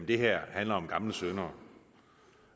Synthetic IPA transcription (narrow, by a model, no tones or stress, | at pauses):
mnd̥e̝ɦæɐ̰hænlɐɒ̽mɡ̥ɑ̈mləsønɐ